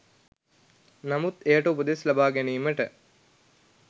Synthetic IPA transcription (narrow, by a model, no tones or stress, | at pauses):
nɐmut̪ejəʈəubəd̪eslɐbaːɡeniːməʈə